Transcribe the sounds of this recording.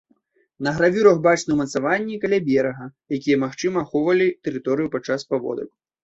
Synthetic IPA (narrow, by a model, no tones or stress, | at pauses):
nɐɣɾavʲuɾɐɣbat͡ʂnɨwmɐt̪savanʲːikalʲabʲɛɾɐɣɐjakʲijɐmaxt͡ʂɨmɐːxɔvɐlʲit̪ɛɾɨt̪ɔɾɨjupat͡ʂːaspavɔ̰d̪ɐ̰k